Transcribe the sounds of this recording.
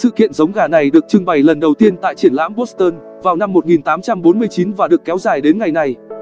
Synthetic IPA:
sɨ̰˧˨kḭ˧˨ənzə˨˦wŋ͡mɣaː˨˩na˨˩jɗɨ˨˩ək̚t͡ɕɨ˧ŋɓa˨˩jlə˨˩nɗə˨˩wt̪i˧ənt̪a̰ː˧˨jt͡ɕi˧˩ənla̰ː˧˥mɓo˦˥s̚t̪əː˧n | vaː˨˩wna˧mːo˨˩t̚ŋi˨˩nt̪aː˨˦mt͡ɕa˧mɓo˨˦nmɨ˧əjt͡ɕi˨˦nvaː˨˩ɗɨ˨˩əkːɛ˨˦wzaː˨˩jɗe˨˦nŋa˨˩jna˨˩j

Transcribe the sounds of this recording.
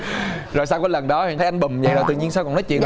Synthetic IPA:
zo˨˩jsa˧wkɔː˨˦lə˨˩nɗɔ˨˦˨nt̪ʰə˨˦jʔa˧ŋ̟ɓɨ˨˩mvə̰˨jzt̪ɨ˧˨ɲi˧ənsa˧knɔ˨˦t͡ɕwḭ˧˨ən

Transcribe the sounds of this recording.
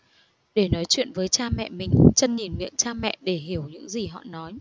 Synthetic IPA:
ɗe˧˩nɔ˨˦jt͡ɕwḭ˧˨ənvəː˨˦jt͡ɕaː˧mɛ̰˧˨mï˨˩ŋ̟t͡ɕə˧nɲi˨˩nŋḭ˧˨ənt͡ɕaː˧mɛ̰˧˨ʔɗe˧˩ɦi˧˩əwɲɨ̰˧˥ŋzi˨˩ɦɔ̰˧˨nɔ˨˦j

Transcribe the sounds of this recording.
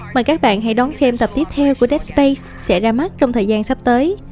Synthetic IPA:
maː˨˩kaː˦˥k̚ɓa̰ː˧˨nɦa̰˧˩jɗɔ˨˦nsɛ˧mt̪ə˨˩p̚t̪i˦˥ət̪ʰɛ˧wku˧˩əɗɛ˦˥t̚spe˧js | sɛ̰˧˥zaː˧ma˦˥t̚t͡ɕɔ˧wŋ͡mt̪ʰəː˨˩jzaː˧nsa˦˥p̚t̪əː˨˦j

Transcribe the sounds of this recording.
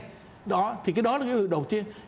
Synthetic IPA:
ɗɔ˨˦t̪ʰi˨˩kaː˨˦jɗɔ˨˦laː˨˩kaː˨˦vɨ̰˧˨ɗə˨˩wk͡p̚t͡ɕi˧ə

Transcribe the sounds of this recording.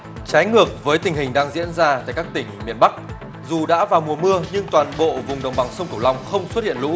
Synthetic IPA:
t͡ɕaː˨˦jŋɨ˨˩ək̚vəː˨˦jt̪ï˨˩ŋ̟hï˨˩ŋ̟ɗaː˧ŋzḭ˧˥ənzaː˧t̪a̰ː˧˨jkaː˦˥k̚t̪ï˧˩ŋ̟mi˨˩ənɓa˦˥k̚ | zu˨˩ɗa̰ː˧˥vaː˨˩wmu˨˩əmɨ˧əɲɨ˧ŋt̪waː˨˩nɓo̰˧˨vʊ˨˩ŋ͡mɗə˨˩wŋ͡mɓa˨˩ŋsə˧ŋ͡mk̪u˧˩wla˧wŋ͡mxə˧wŋ͡mswt̚hḭ˧˨ənlṵ˧˥

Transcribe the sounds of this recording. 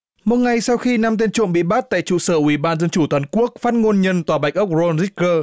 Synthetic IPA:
mo˨˩t̚ŋa˨˩jsa˧wxi˧na˧mt̪e˧nt͡ɕṵ˧˨əmɓḭ˧˨ɓa˦˥t̚t̪a̰ː˧˨jt͡ɕṵ˧˨səː˧˩ʔwi˧˩ɓaː˧nzə˧nt͡ɕu˧˩t̪wa˨˦nku˦˥ək̚faː˦˥t̚ŋo˧nɲə˧nt̪waː˨˩ɓa˨˩jk̚ʔə˦˥wk͡p̚zo˧nzi˦˥kkəː˧

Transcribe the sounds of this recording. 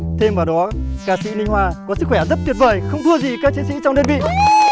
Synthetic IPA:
t̪ʰe˧mvaː˨˩wɗɔ˨˦kaː˧sḭ˧˥nï˧ŋ̟hwaː˧kɔ˨˦sɨ˦˥k̚xwɛ˧˩zə˦˥t̚t̪wt̚vəː˨˩jxə˧wŋ͡mt̪ʰɨ˧əzi˨˩kaː˦˥k̚t͡ɕʰe˨˦sḭ˧˥t͡ɕɔ˧wŋ͡mɗə˧nɓḭ˧˨

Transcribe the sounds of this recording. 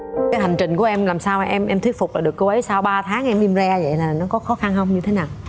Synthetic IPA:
kaː˨˦jha˨˩ŋ̟t͡ɕï˨˩ŋ̟ku˧˩əʔɛ˧mlaː˨˩msaː˧waː˨˩ʔɛ˧mʔɛ˧mt̪ʰwi˦˥ək̚fʊ˨˩k͡p̚laː˨˩ɨ˨˩əkːə˧wʔə˨˦jsaː˧wɓaː˧t̪ʰaː˨˦ŋʔɛ˧mʔi˧mza˧və̰˧˨jlaː˨˩nɔ˨˦kɔ˨˦xɔ˨˦xa˧nhə˧wŋ͡mɲɨ˧t̪ʰe˨˦naː˨˩w

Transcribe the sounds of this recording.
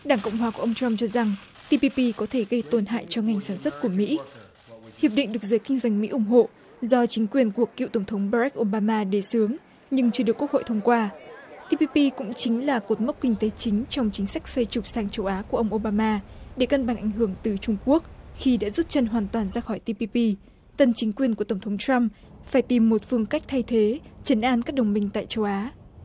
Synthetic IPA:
ɗaː˧˩ŋkə̰˧˨ŋ͡mɦwaː˨˦ku˧˩˨ʔə˧ŋ͡mt͡ɕa˧mt͡ɕɔ˧za˨˩ŋ | t̪i˧pi˧pi˧kɔ˨˦t̪ʰe˧˩ɣə˧jt̪o˨˩nɦa̰ː˧˨jt͡ɕɔ˧ŋa˨˩jŋ̟saː˧˩nswə˦˥t̚ku˧˩əmḭ˧˥ | hi˨˩əp̚ɗḭ˧˨ŋ̟ɗɨ˨˩ək̚zəː˨˦jkï˧ŋ̟zwa˧jŋ̟mḭ˧˥ʔʊ˧˩ŋ͡mɦo̰˧˨ | zɔ˧t͡ɕï˨˦ŋ̟kwi˨˩ənku˧˩əkːḭ˧˨wt̪ə˧˩ŋ͡mt̪ʰə˨˦wŋ͡mɓaː˧za˦˥k̚ʔo˧ɓaː˧maː˧ɗe˨˩sɨ˨˦əŋ | ɲɨ˧ŋt͡ɕɨ˧ɗɨ˨˩əkːu˦˥əkho̰˧˨jt̪ʰə˧wŋ͡mkwaː˧t̪i˧pi˧pi˧kʊ̰˧˥ŋ͡mt͡ɕï˨˦ŋ̟laː˨˩ko˨˩t̚mə˦˥wk͡p̚kï˧ŋ̟t̪e˨˦t͡ɕï˨˦ŋ̟t͡ɕɔ˧wŋ͡mt͡ɕï˨˦ŋ̟sa˦˥k̟̚swe˧jt͡ɕʊ˨˩k͡p̚saː˧˩ŋt͡ɕə˧wʔaː˨˦ku˧˩əʔə˧wŋ͡mʔo˧ɓaː˧maː˧ɗe˧˩kə˧nɓa˧˩ŋʔa̰˧˩jŋ̟ɦɨ˧˩əŋt̪ɨ˨˩t͡ɕʊ˧ŋ͡mku˦˥ək̚xi˧ɗa̰ː˧˥zu˦˥t̚t͡ɕə˧˩nɦwaː˨˩nt̪waː˨˩nzaː˧xɔ˧˩jt̪i˧pi˧pi˧ | t̪ə˨˩nt͡ɕï˨˦ŋ̟kwi˨˩ənku˧˩ət̪ə˩ŋ͡mt̪ʰə˨˦wŋ͡mtɹa˧m | faː˧˩jt̪i˨˩mːo˨˩t̚fɨ˧əŋka˦˥k̟̚t̪ʰa˧jt̪ʰe˨˦t͡ɕə˨˦nʔaː˧nkaː˦˥k̚ɗə˨˩wŋ͡mmï˧ŋ̟t̪a̰ː˧˨jt͡ɕə˧wʔaː˨˦

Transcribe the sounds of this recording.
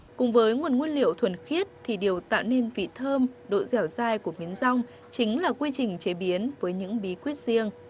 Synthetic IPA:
kʊ̰˧˨˩ŋ͡mvəː˨˦jŋwə˨˩ənŋwi˧ənlḭ˧˨əwt̪ʰwə˧˩nxi˦˥ət̚t̪ʰi˨˩ɗi˨˩əwt̪a̰ː˧˨wne˧nvḭ˧˨t̪ʰəː˧mɗo̰˧˨jzɛ˧˩wzaː˧jku˧˩əmi˨˦ənza˧wŋ͡m | t͡ɕï˨˦ŋ̟laː˨˩kwi˧t͡ɕï˨˩ŋ̟t͡ɕe˨˦ɓi˨˦ənvəː˨˦jɲɨ̰˧˥ŋɓi˨˦kwi˦˥ət̚zi˧əŋ

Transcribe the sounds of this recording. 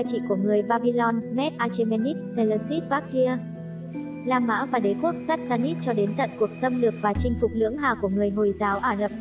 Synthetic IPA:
a˧jt͡ɕḭ˧˨ku˧˩əŋɨ˨˩əjɓaː˧ɓi˧lɔ˧nmɛ˦˥t̚ʔaː˧t͡ɕe˧me˧ni˦˥t̚sə˧lə˧si˦˥t̚vaː˦˥k̚ːi˧ə | laː˧mːa̰ː˧˥vaː˨˩ɗe˨˦ku˦˥ək̚saː˦˥t̚saː˧ni˦˥t̚t͡ɕɔ˧ɗe˨˦nt̪ə̰˧˨nku˨˩ək̚sə˧mlɨ˨˩ək̚vaː˨˩t͡ɕï˧ŋ̟fʊ˨˩k͡p̚lɨ̰˧˥əŋɦaː˨˩ku˧˩əŋɨ˨˩əjɦo˨˩jzaː˨˦wʔaː˧zə˨˩p̚

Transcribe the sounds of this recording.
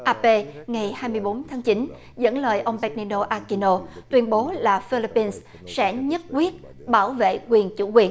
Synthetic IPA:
ʔaː˧pe˧ŋa˨˩jhaː˧jmɨ˧əjɓo˨˦nt̪ʰaː˨˦ŋt͡ɕi˨˦n | zə̰˧˥nləː˨˩jʔə˧wŋ͡mɓɛ˨˥t̚ni˧no˧ʔaː˧ki˧no˧t̪wi˧ənɓo˨˦laː˨˩fi˧li˧pːi˧ns | sɛ̰˧˥ɲə˦˥t̚kwi˦˥ət̚ | ɓaː˧˩wvḛ˧˨kwi˨˩ənt͡ɕṵ˧˩kwi˨˩ən

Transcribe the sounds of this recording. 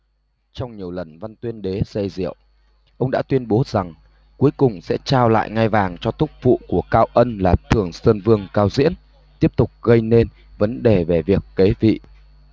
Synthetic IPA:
t͡ɕɔ˧wŋ͡mɲi˨˩əwlə˨˩nva˧nt̪wi˧ənɗe˨˦zə˧jzḭ˧˨əw | ʔə˧wŋ͡mɗa̰ː˧˥t̪wi˧ənɓo˨˦za˨˩ŋ | ku˨˦əjkʊ˨˩ŋ͡msɛ̰˧˥t͡ɕaː˧wla̰ː˧˨jŋa˧jvaː˨˩ŋt͡ɕɔ˧t̪ʊ˦˥k͡p̚vṵ˧˨ku˧˩əkaː˧wʔə˧nlaː˨˩t̪ʰɨ˨˧˩əŋsəː˧nvɨ˧əŋkaː˧wzḭ˧˥ən | t̪i˦˥əp̚t̪ʊ˨˩k͡p̚ɣə˧jne˧n | və˨˦nɗe˨˩ve˨˩vi˨˩əkːe˨˦vḭ˧˨

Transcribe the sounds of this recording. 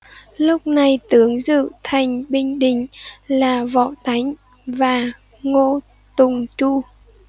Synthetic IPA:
lʊ˦˥k͡p̚na˨˩jt̪ɨ˨˦əŋzɨ̰˧˨t̪ʰa˨˩jŋ̟ɓï˧ŋ̟ɗï˧˨ŋ̟laː˨˩vɔ̰˧˨t̪a˨˦jŋ̟ | vaː˨˩ | ŋo˧ | t̪ʊ˨˩ŋ͡mt͡ɕu˧

